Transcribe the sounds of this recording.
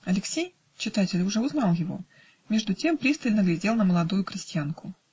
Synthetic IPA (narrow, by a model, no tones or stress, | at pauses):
ɐlʲɪksʲej | t͡ɕɪt̪atʲɪlʲʊʐɛʊznɑlˠjɪvo̞̰ | mʲe̞ʐd̪ʊtʲe̞mpɾʲist̪əlʲnəɡlʲɪdʲe̞lˠnəməlˠɐd̪ujʊkɾʲɪsʲtʲɪjankʊ